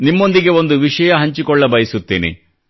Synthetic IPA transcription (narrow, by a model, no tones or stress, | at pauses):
nimːo̞nd̪iɡe̞o̞nd̪uʋiʂɐjɐɦɐɲt͡ʃikɔɭːɐbɐjɐsut̪ːiːnḭ